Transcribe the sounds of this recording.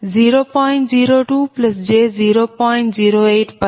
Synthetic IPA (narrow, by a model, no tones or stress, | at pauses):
ziːɾoːpãːɪ̃ɳʈziːɾoːʈuːplɐsd͡ʑeːziːɾoːpãːɪ̃ɳʈziːɾoeːʈpɐ